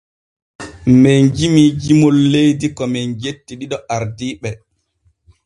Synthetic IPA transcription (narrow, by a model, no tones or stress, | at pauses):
mend͡ʒimid͡ʒimolːejdikɔmɛnd͡ʒetːiɗiɗɔaɾdiːɓɛ